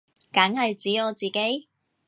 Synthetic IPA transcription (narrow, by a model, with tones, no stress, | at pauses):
kɐ˨˥ŋhɐ˨jt͡siː˨˥ɔː˨˧t͡siː˨ke˨˥j